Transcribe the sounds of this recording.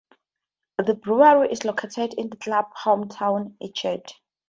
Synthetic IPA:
ðəbɹuaɹiʔislokʰetʰɛdĩndəklabhõmtʰãwnit͡ʃʰɛd

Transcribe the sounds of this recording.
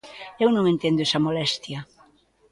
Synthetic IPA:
ewnõŋẽnt̪end̪oesamolɛst̪ja

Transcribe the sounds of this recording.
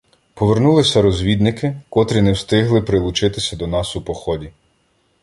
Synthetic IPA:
pɔʋernulˠɪsʲɐɾɔzʲʋʲid̪nɪkɪkɔt̪ɾʲinɛwst̪ɪɦlˠɪpɾɪlˠʊt͡ʃɪt̪ɪsʲɐd̪ɔnɑsupɔxɔdʲi

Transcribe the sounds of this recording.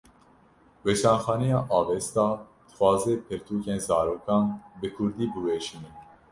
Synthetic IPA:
weʃɑːnxɑːnɛjɑːʔɑːvɛst̪ɑː | d̪̥ɨxwɑːzeːpʰɨɾt̪ʰuːkeːnzɑːɾoːkɑːnbɨkʰʊɾd̪iːbɨweːʃinɛ

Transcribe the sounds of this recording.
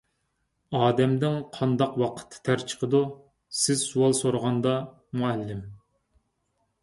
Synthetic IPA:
ɑːd̪ɛmd̪ɪŋqʰɑnd̪ɑqwɑqʰə̥t̪ʰːɨ̥t̪ʰæɾt͡ʃʰə̥qʰəd̪u | sɪz̥suwɑlˠsoɾəʁɑnd̪ɑ | muɛlːɪm

